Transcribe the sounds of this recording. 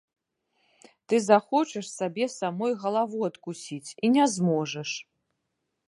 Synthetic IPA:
t̪ɨzaxɔt͡ʂɛʂsabʲɛsamɔjɣɐlˠavuɐt̪kusʲit͡sʲinʲɛzmɔʐɐʂ

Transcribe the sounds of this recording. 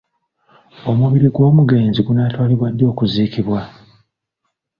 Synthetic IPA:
o̞muβiɾiɡwo̞ːmuɡe̞ːnziɡunaːtwaːliβwadːo̞ːkuziːkiβwa

